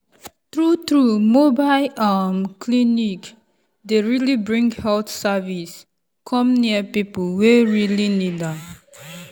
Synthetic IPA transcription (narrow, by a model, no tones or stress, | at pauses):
t̪ɹut̪ɹumobaɪlamkʰlinik | deɹilibɹĩŋɡhɛltsavis | kʰɔ̃mniəpipəlweɹilinidãm